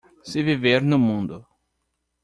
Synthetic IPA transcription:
sɪviveɾnʊmũnd̪ʊ

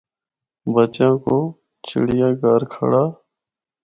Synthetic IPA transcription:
bət͡ʃãːkoː | t͡ʃʰɪ̰ɽɪjãːɡaːɾkʰə̰ɽaː

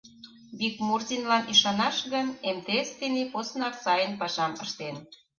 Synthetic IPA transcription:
bikmurzʲinlɑniʃɑnɑʃɣənemt̪est̪eneposnɑrsɑjənpɑʃɑməʃt̪en

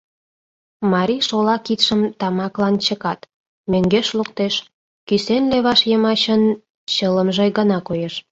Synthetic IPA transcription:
mɑɾʲiʃolɑkit̪ʃəmt̪ɑmɑklɑnt͡ɕəkɑt̪ | møŋɡeʃlukt̪eʃ | kysenleβɑʃjəmɑɕən | t͡ɕələmʒeɡənɑkojeʃ

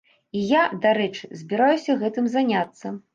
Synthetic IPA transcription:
ijad̪aɾɛt͡ʂɨzʲbʲiɾajusʲɐɣɛt̪ɨmzanʲat̪sːɐ

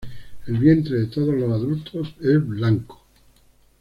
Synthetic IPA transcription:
elβje̞nt̪ɾeðet̪oð̞ozlosaðult̪ʰosezβlaŋko̥

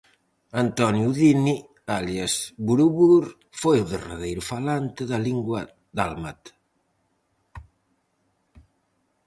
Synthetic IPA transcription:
ant̪ɔnjuðini | aljazbuɾuβuɾ | fojoðera̰ðejɾufalant̪eðaliŋɡwa | d̪almat̪

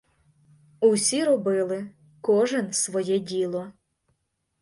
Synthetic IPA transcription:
uwsʲiɾɔbɪlˠɪ | kɔʒɛnsʋɔjɛdʲilˠɔ

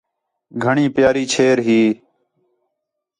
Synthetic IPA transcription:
ɡʱəɳĩːpjaːɾiːt͡ʃʰeːɾɦiː

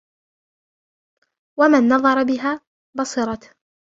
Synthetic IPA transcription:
wamanːɑðˤɑɾˤɑbɪɦaː | bɑsˤɨɾˤɑt̪

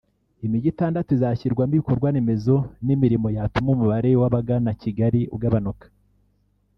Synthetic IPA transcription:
imiɟitaːndatuizaçiɾɡwambiko̞ɾɡwaneme̞zo̞nimiɾimo̞jatumumuβaɾe̞waβaɡanaciɡaɾiṵɡaβanokḁ

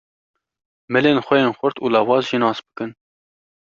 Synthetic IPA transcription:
mɨleːnxʷɛjeːnxʷʊɾt̪uːlɑːwɑːzʒinɑːsbɨ̥kɨn

